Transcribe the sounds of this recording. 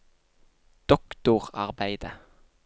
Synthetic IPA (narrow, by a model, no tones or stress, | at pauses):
d̪̥ɔkt̪ʊʁɑ̰ʁbæɪd̪ə